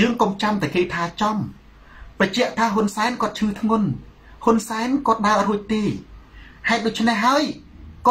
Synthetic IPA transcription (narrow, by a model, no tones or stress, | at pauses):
jəːŋkomt͡ɕamt̪aəkeːt̪ʰaːt͡ɕɑm | prəc̚t͡ɕɛ̆əʔt̪ʰaːɦʊnsaɛnkŏət̪̚t͡ɕʰɨːt̪ʰŋʊn | hunsaɛnkŏət̪̚ɗaəruəc̚t̪eː | haɛt̪̚ɗŏc̚t͡ɕʰneɦːaəj | k